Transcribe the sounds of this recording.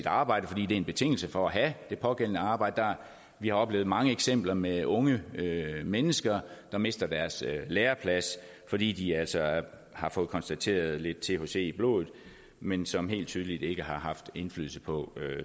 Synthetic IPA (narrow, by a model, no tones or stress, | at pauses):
id̥ɑ̈ːb̥ɑ̈ɪ̰dəfɒ̽d̥ḭːd̥e̝ɐnb̥e̝t͡sʰe̝ŋ̰l̩səfɒ̽æɦæd̥e̝pʰɒ̽ɡ̥en̰ənəɑ̈ːb̥ɑ̈ɪd̥əd̥ɑ | ʋihɑ̈ɒ̽b̥le̝ːʊð̩ˠmɑ̈ŋəeɡ̥sem̰b̥lɐmeɔ̽ŋəømenəsɡ̥ɐd̥ɑ̈me̝sd̥ɐd̥æɐsleːɐpʰlæs | fɒ̽d̥ḭːd̥iæl̰sɒ | hɑ̈fɔ̽ːð̩ˠkʰɒ̽nsd̥æt͡sʰe̝̰ːɐð̞̩ˠle̝d̥̚t͡sʰe̝ho̝se̝̰ːib̥lo̝̰ːð̩ˠ | mensɒ̽mɦe̝̰ːld̥t͡sʰyːð̞ˠəlid̥e̝ɡ̥əɦɑ̈ɦɑ̈fd̥e̝nfly̰ðl̩ˠsəpʰɒ̽ø